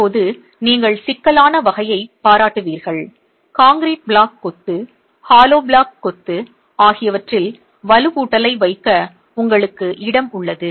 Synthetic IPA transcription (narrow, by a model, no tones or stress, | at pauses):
pːoːðɯ | niːŋɡɐɭsɪkːɐlaːnɐʋɐɣɐjɐɪpaːɾaːʈːɯʋiːɾɣɐɭ | kaːŋɡɾiːʈ̚bɭaːkːɔt̪ːɯ | haːloːbɭaːkːɔt̪ːɯ | aːɣɪjɐʋɐʈrɪl | ʋɐlɯʋuːʈːɐlɐɪʋɐɪkːɐ | ʊŋɡɐɭɯkːɯʔɪɽɐmʊɭːɐðɯ